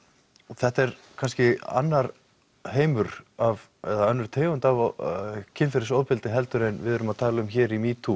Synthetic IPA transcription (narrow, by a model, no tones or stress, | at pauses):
ɔθɛht̪ɛɾkʰanscɪa̰nːaɾ | ɦeːjmʏɾav | ɛðaœnːʏɾ̥t̪ʰeːɣʏnt̪av | cʰɪnfɪɾɪsowðpɪlt̪ɪɦɛlt̪ʏɾɪnvɪðœɾʏmaðt̪ʰaːlaʏmçɛːɾimiːt̪ʰu